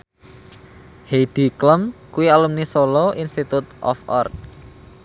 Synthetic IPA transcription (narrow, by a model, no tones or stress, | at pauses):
hed̪̥i̤kləmkuialumnisolɔʔinst̪it̪ut̪ʔɔ̰fɔ̰rt̪̚